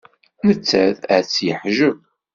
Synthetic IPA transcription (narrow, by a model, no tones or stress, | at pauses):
nət͡sːæðət͡sːjəħʒəv